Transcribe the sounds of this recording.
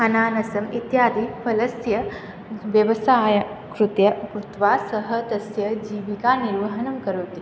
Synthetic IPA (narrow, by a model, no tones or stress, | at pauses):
ɐnaːnɐsɐmit̪jaːd̪ipʰɐlɐsjɐ | ʋjɐʋɐsaːjɐ | kɾut̪jɐkɾut̪ʋaːsɐɦɐ̆t̪ɐsjɐd͡ʒiːʋikaːniɾʋɐɦɐnɐmkɐɾoːt̪i